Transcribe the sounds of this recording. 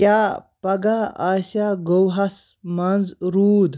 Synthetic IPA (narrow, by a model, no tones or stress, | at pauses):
japɐɡaaɕaɡowɦas | mand͡zɾuːd̪